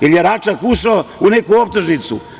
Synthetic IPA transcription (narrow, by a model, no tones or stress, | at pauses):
iljeɾat͡ʃakuʃaounekuop̚t̪oʒnit̪sṵ